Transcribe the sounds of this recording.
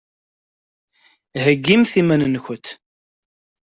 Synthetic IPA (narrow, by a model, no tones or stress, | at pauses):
həɡːimθimænənçʊt̪